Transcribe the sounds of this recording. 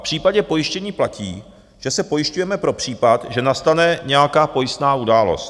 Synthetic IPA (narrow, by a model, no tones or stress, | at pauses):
pr̝̥iːpaɟɛpo̞jɪʃcɛɲiːplaciː | ʒ̥ɛsɛpo̞jɪʃcujɛmɛpɾo̞pr̝̥iːpat̪ʒɛnast̪anɛɲɛjakaːpo̞jɪst̪naːʔudaːlo̞̰st̪